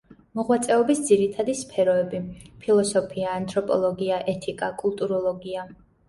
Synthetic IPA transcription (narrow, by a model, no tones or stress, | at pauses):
mɔʁwat̪sʼɛɔbisd̪ziɾit̪ʰad̪ispʰɛɾɔɛbipʰilˠɔsɔpʰiaːnt̪ʼɾɔpʼɔ̰lˠɔɡiaʔɛt̪ʰikʼakʼulˠt̪ʼuɾɔlˠɔɡia